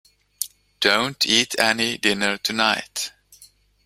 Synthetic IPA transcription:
d̥õʊ̃ntʰitʰɛnidɪ̃nə˞tʰunaɪt

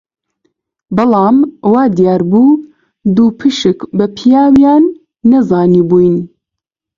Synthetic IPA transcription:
bɨlˠɑːmwɑːd̪ijaːɾbuː | d̪uːpʰɨʃɨkbɐpʰijaːwjɑːnː | ɐzɑːniːbuːjn

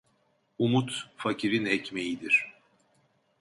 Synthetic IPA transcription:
umut̪facʰiɾinɛcmejid̪iɾ̥

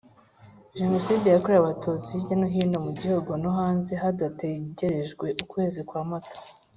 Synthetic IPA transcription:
ʒe̞no̞siːdejakoɾejaβatot͡sibɟanoɦiːndomuɟihoɡo̞noɦaːnze̞ɦadateɟe̞ɾe̞ʒɡwe̞ʔukwe̞ːzikwaːmatḁ

